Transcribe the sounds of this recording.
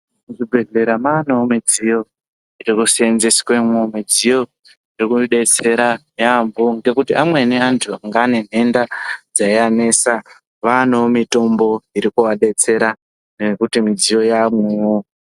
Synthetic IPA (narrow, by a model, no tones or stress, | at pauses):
uʐibʱe̞ɮe̞ɾamanoomid͡zijo̞ | iɾikusenzesi̥kwemwomid͡zijo̞ | iɾikuɗe̞t͡se̞ɾa | amboŋɡe̞kutiamwe̞neantʰuaŋɡaːne̞n̤e̞ndad͡zaiane̞sa | ʋanoomito̞mbo̞iɾikuwaɗe̞t͡se̞ɾa | nekutimid͡zijo̞jamwemo